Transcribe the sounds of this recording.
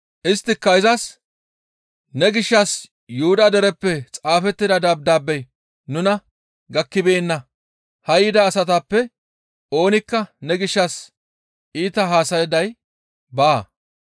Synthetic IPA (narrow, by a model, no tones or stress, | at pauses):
ʔɪst̪ːɪkːɐɪzɐs | nɛɡɪʃːɐs | juʊd̪ɐd̪ɛɾɛpːɛt͡sʼaːfɛt̪ːɪd̪ɐd̪ɐb̚d̪aːbːɛj | nʊnɐ | ɡɐkːɪbeːnːɐ | hɐjɪd̪ɐːsɐt̪apːɛ | o̞ːnɪkːɐnɛɡɪʃːɐs | ʔiːt̪ɐɦaːsɐjɛd̪ɐj | baː